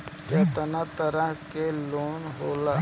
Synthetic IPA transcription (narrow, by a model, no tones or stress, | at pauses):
keːt̪ənat̪əɾaɦkeloːnɦoːla